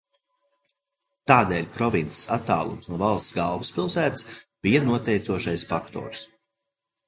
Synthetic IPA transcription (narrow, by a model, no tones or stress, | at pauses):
t̪aːd̪eːlʲpɾɔvint̪si̥sat̪ːa̰ːlˠṵmsnuɔvɑlˠst̪sɡalˠvuspilˠsæːt̪sb̥ijanuɔt̪ɛjt̪suɔʃajsfakt̪ɔ̰ːɾs